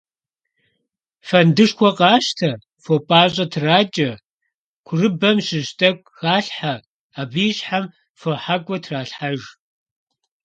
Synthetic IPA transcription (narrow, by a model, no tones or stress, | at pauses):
fɐndɨʂkʷɔqʼɑːʃtʰɐ | fopʼaːɕʼɐtʰraːt͡ʃʼɐ | kʷʰʊrɨbɐmɕɪʑtʼɐkʷʼɣaːɬħa | aːbiːɕħam | foħakʷʼɔtʰraːɬħaʒ